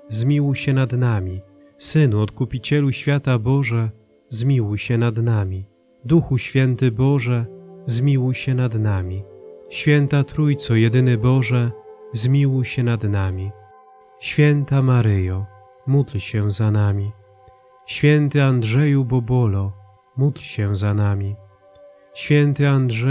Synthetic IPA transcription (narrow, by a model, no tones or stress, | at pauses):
zmʲiwɕɛnad̪namʲi | sɘnuɔt̪kupʲit͡ɕɛluɕfʲjat̪abɔʐɛ | zmʲiwɕɛnad̪namʲi | d̪uxuɕfʲjɛnt̪ɘbɔʐɛzmʲiwɕɛnad̪namʲiɕfʲjɛnt̪at̪ɾujt̪sɔjɛd̪ɘnɘbɔʐɛzmʲiwɕɛnad̪namʲi | ɕfʲjɛnt̪amaɾɘjɔ | mud̪lɕɛzanamʲi | ɕfʲjɛnt̪ɘandʐɛjubɔbɔlɔ | mud̪lɕɛzanamʲi | ɕfʲjɛnt̪ɘandʐɛ